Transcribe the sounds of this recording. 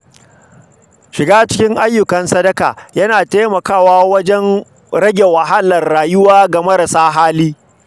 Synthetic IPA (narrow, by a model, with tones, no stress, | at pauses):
ʃɪ˨ɡaː˦t͡ʃɪ˦kʲɪ˦ŋʔa˦jːʊ˨kɐ˨nsɐ˦dɐ˦ka̰ː˨jɐ˦naː˨teː˦mɐ˨kaː˦˨waː˦wɐ˦d͡ʒɛ˦n | ɾɐ˦ɡʲe˨wɐ˨ɦa˦lɐ˨rːaː˨jʊ˦waː˦ɡɐ˨mɐ˦ɾɐ˨saː˦ɦaː˦liː˦